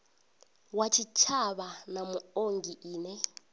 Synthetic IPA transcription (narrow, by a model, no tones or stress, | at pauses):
wat͡ʃʰit͡ʃʰaβanamuoŋɡiʔiːnɛ